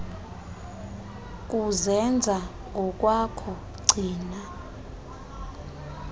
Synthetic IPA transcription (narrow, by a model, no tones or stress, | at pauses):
k̬ʼuzɛnd͡zʱa | ŋɡʱɔk̬ʼwakʰɔ | ɡ͡ǀʱiːna